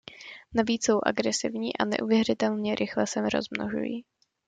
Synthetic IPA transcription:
naviːt͡sso̞wʔa̰ɡɾɛsɪ̰vɲiːʔa̰nɛ̰ʔuvjɛrɪt̪ɛlɲɛɾʔɪxlɛsɛmɾo̞̰zmno̰ʒṵjḭː

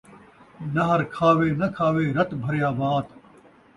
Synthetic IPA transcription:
nɐɦɐɾkʰaːʋeːnɐkʰaːʋeːɾɐt̪bʱɐɾjaːbaːt̪

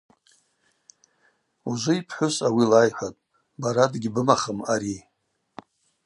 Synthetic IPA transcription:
uzʷʊipʰħʷʊsawilajħʷatʼ | baɾadɡʲɪbɨmaχəmaɾi

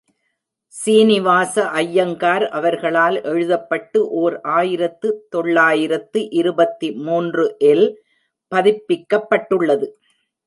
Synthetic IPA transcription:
siːnɪʋaːsɐʔɐjːɐŋɡaːɾʔɐʋɐɾɣɐɭaːlʔɛɻɯðɐpːɐʈːɯʔoːɾʔaːjɪɾɐt̪ːɯt̪ɔɭːaːjɪɾɐt̪ːɯʔɪɾɯbɐt̪ːimuːndrɯʔɛl | pɐðɪpːɪkːɐpːɐʈːɯɭːɐðɯ

